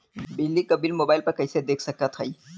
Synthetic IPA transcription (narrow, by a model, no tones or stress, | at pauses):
bɪd͡ʒlːikɐbilmoːbaːɪlpɐɾkɐjsed̪eːkʰsɐkat̪ʰɐi